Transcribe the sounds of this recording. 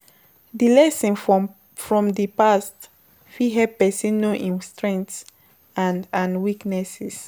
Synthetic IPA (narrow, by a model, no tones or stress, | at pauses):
dilɛsɔ̃n | fɹɔ̃mdipast | fiɦɛpɛsĩnnoʔĩnstɹɛ̃ŋts | ãnãnwiknɛsɛs